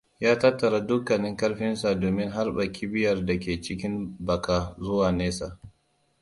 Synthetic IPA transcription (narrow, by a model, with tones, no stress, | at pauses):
jaː˦tɐ˦tːɐ˨ɾa˦dʊ˦kːɐ˨nɪ˦ŋkɐ˦rɸɪ˦nsa˨doː˨mɪ˦ŋɦa˦rɓɐ˨kʰʲɪ˦bɪ˦jɐ˨rda˨kʲeː˨t͡ʃɪ˦kʲɪ˦mbɐ˨kaː˨zʊ˦waː˨neː˦sa˨ʔ